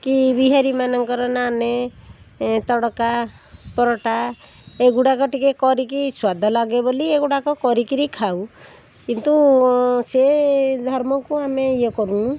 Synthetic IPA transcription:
kibiɦaɾimanɔŋkɔɾɔnane | t̪ɔɽɔka | pɔɾɔʈa | eɡuɽakɔʈikekɔɾikiswad̪ʱɔlaɡebolieɡuɽakɔkɔɾikiɾikʰaw | kint̪used̪ʱɔɾmɔkuameiɔkɔɾunu

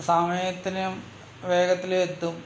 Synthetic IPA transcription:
saːmɐt̪ːinjɐm | ʋeːɡɐt̪ːilet̪ːum

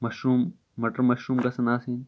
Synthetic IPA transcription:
mɐʃuːmː | ɐʈɐɾmɐʃuːmɡɐsɐnaːsiːn

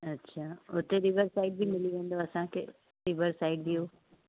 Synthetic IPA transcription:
ɐtːɕʰaːʊt̪eɾɪʋəɾsaːɪɖ̚bɪmɪliʋẽːn̆d̪oɐsãkʰḛ | ɾɪʋəɾsaːɪɖd̪ijoː

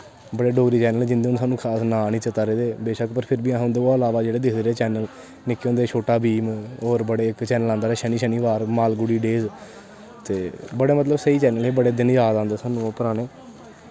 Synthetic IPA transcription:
bəɽeːɖoːɡɾiːt͡ʃɛːnəlːd͡ʒɪnd̪eːnsaːnũːkʰaːsnaːnĩːt͡ʃət̪aːɾeːd̪eːbeːʃəkpəɾpʰɪɾbiːãɦõnd̪eːaːəlaːʋaːd͡ʒeːɽeːd̪ɪkʰd̪eːɾeːt͡ʃɛːnəl | nɪkːõːnd̪eːt͡ʃʰoːʈaːbiːmoːɾbəɽeːɪkt͡ʃɛːnəlãːnd̪aːɾɛːʃəniːʃəniːʋaːɾmaːlɡʊɽiːɖeːz | t̪eːbəɽeːmət̪ləbsəiːt͡ʃɛːnəlɦeːbəɽeːd̪ɪnjaːd̪ãːnd̪eːsaːnũːpəɾaːneː

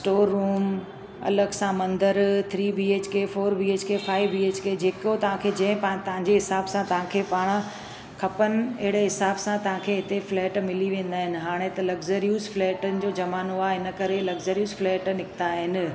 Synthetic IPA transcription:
sʈoːɾːuːm | ɐ̰ləɡsãmɐ̃nd̪əɾt̪ʰɾiːbiːeːt͡ɕkeːfoːɾbiːeːt͡ɕkʰefaːɪʋbiːeːt͡ɕkeːd͡ʑeːkot̪ɐʋ̤ãkʰed͡ʑɐ̃ɦɪ̃pɐ̃t̪ɐɦãɲd͡ʑeɦɪsaːbsãt̪ɐʋ̤ãkʰeːpaːɽ̃ | kʰɐpənɪ̆ɐɦɪɽeɦɪsaːbsãt̪ɐʋ̤ãkʰeɦɪt̪eflɛːʈmɪliʋẽːn̆d̪aːɦɪnɪ̆ɦaːɽ̃et̪ɐlɐɡzəɾijuːzflɛːʈənɪ̆d͡ʑoːd͡ʑɐmaːnoaːɦɪnə̆kɐɾelɐɡzəɾijuːzflɛːʈnɪkɪt̪aɦɪnɪ̆

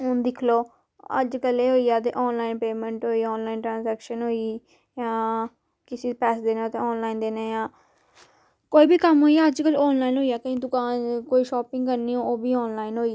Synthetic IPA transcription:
ʊnd̪ɪkʰloː | ə̰d͡ʒkəleːɦoːiːaːt̪̬ḛːʔɔːnlaːinpeːmə̃ɳʈɦoːiːɔːnlaːinʈɾãːnzɛːkʃənɦoːiː | jãː | kɪsiːpɛːsd̪eːnːt̪ẽːɔːnlaːind̪eːneːjãː | koːiːbiːkəmɦoːiːaːəd͡ʒkəlɔːnlaːinɦoːiːaːkəĩd̪ʊkaːnkoːiːʃɔːpɪ̃ŋɡkəɾniːoːoːbʱiːɔːnlaːinɦoːiː

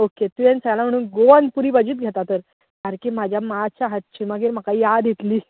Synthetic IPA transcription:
oket̪ujɛnsəɡalam̤əɽ̃uːnɡoanpuɾiːbəd͡ʑiːt̪̚ɡʱet̪at̪əɾ | kaɾkim̤ad͡ʑʱjamat͡ɕaɦət̪̚t͡ɕʰiməɡeːɾm̤əkaijad̪jet̪liː

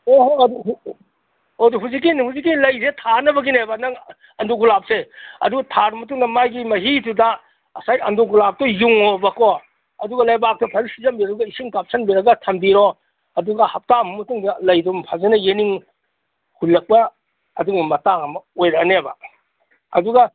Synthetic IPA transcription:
oɦoɐduɦu | oduɦuzik̬ːinhuzik̬ːinlɐjzetʰanɐbɐɡinebanɐŋ | ɐndoɡulap̚seɐ̰duɡɐtʰaɾmɐtuŋnɐmajɡimɐɦitudaː | sajɐndoɡulap̚tɔjuŋobɐkɔ | ɐduɡɐlɐjbak̚tɔpʰɐɾisizɐmbiɾɐɡɐisiŋkap̚sɐnbiɾɐɡɐtʰɐmbiɾo | ɐduɡɐhɐp̚tamɐmɐtuŋdɐlɐjdumpʰazenɐjeniŋ | hulːɐk̚pɐ | ɐ̰duɡɐmɐtaŋɐmɐojɾɐnebɐ̰ | ɐduɡɐ

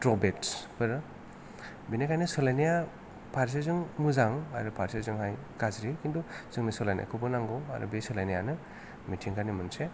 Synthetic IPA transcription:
tɾɔbetspʰɯɾɯ | binekʰajnɯsɔlajnija | pʰaɾs̬ezɯŋmuzaŋa̰ɾɯpʰaɾsazɯŋhajkazɾekindɔz̥ɯŋnɯsɔlajnija̰kʰɯbɯnaŋɡɔa̰ɾṵbesɔlajnijanɯ | mitʰiŋkʰanimɯnse

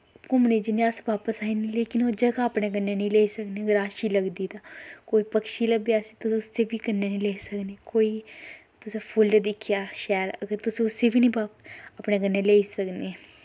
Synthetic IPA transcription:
kʊmneːd͡ʒɪneasʋaːpəsaːinileːkɪnoːd͡ʒəɡaːəpneːɡənːeːnĩːleːiːsəkneːɡɾaːʃiːləɡd̪iːt̪aːkoːiːpəkʃiːləɡd̪iaːsiːt̪ʊsʊst̪eːbiːkənːeːnĩleːisəkneːkoːiː | t̪ʊsẽːpʰʊlɖd̪ɪkʰːjaːʃɛːləɡəɾt̪ʊsĩːʊseːbiːnĩːbaːpəpneːɡənːeːleːisəkneː

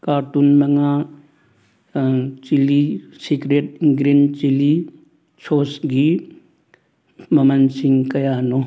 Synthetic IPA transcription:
kaːɾʈunmɐŋaː | t͡ʃilisikɾeːʈ̚ɡɾint͡ʃili | t͡ʃʰoːsɡi | mɐmɐnsiŋɡkɐjaːno

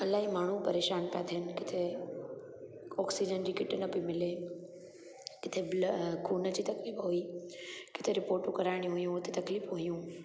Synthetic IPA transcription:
ɐlaːɦimaːɳ̤ũpɐɾeːʃaːnpjaːt̪ʰɦənɪ̆kɪt̪ʰe | ɔːksid͡ʑənd͡ʑiːkɪʈənɐpimɪle | kɪt̪ʰeblkʰuːnəd͡ʑiːt̪ɐkliːfɦuiːkɪt̪ʰeɾɪpoːɾʈũkɐɾaːɪɽ̃ĩɦʊjũʊt̪ʰet̪ɐkliːfɦuijũ

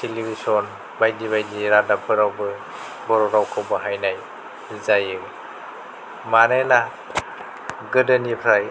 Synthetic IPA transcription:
tʰelibisɔn | bajdiβajdiɾadapʰɯɾawbɯ | bɔɾɔɾawkʰɔbɯɦajnaj | izajɯ | manajla | ɡɯdɯnipʰɾaj

